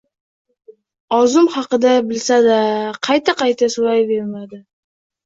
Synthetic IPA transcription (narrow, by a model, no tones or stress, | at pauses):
ɒzʊmhɑqɨd̪abɪlsad̪aqʰɑjt̪ʰaqɑjt̪ʰasoɾajbe̞ɾmad̪ɪ